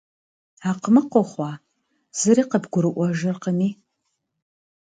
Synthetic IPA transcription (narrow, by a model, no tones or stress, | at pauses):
aːqmɨqʷɔχʷɑː | z̥ɨɾiːqəbɡʷʊɾɨʔʷɔʒɐrqəniː